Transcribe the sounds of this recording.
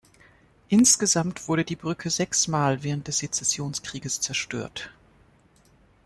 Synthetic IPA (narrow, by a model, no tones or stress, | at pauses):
ʔɪnsɡ̥əzamtv̥ʊɐɾədiːbʁʏkʰəzɛksmaːlvɛːʁ̞ənt̚d̥ɛsd̥et͡sɛsjoːnskʁ̥iːɡəst͡sɛɐʃtø̰ːɐt